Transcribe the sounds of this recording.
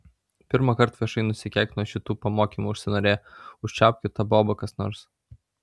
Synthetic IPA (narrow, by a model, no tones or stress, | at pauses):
pʲɪɾmɐkɐɾt̪ʋʲiɛʃɐɪnʊsʲɪkʲɛˑkt̪nuɔʃʲɪt̪uːpɐmoːkʲiːmuʊʃʲsʲɪnɐːɾʲeːʊʃʲt͡ʃʲɑːˑʊkʲʊt̪ɐboːbɐkɐsnɔ̰ːɾs